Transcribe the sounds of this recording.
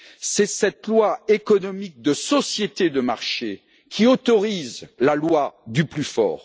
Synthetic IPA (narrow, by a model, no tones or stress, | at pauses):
sɛsɛt̪lwaekɔnɔmik̚d̪əsɔsjet̪ed̪əma̰ʁʃe | kʲʰiot̪ɔʁizlalwad̪yplyfɔ̰ːʁ